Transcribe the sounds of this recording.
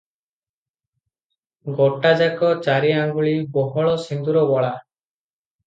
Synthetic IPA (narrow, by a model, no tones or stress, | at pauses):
ɡɔʈad͡ʒakɔt͡ʃaɾiaŋɡuɭibɔɦɔɭɔsind̪uɾɔbɔɭa